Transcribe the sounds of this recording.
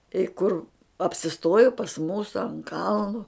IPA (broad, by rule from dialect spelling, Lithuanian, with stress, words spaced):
ɪ ˈkʊr ɐpʲsʲɪˈstoːjʊ pɐs ˈmuːsʊ ɐnt ˈkɐlˠnʊ